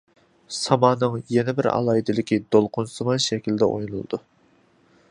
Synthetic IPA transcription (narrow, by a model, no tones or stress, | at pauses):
sɑmɑːnɨŋjɛnɛbɪɾɑ̰lˠɑːid̪ɪlɪkʲid̪olˠqʰʊnsɨmɨʃɛkʲilɪd̪ɛʔo̰jnulˠɨ̰d̪u